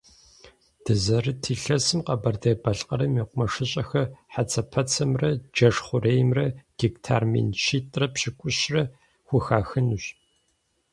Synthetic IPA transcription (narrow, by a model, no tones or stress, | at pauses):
d̥ɨzɐrɨtʰiːɬɐsɨmqɐbɐrdeːbɐɬʼqʼɐɾɐmiːqʷʼʊmɐʂɨɕʼɐxɐħat͡sʰɐpʰɐt͡sʰɐmrɐd͡ʒɐʂχʷʊreːjmrɐɡ̥iktʰa̰ːrmḭnʃiːtʼrɐpɕɪkʷʼʊɕrɐ | xʷʊxaːxɨnɨɕ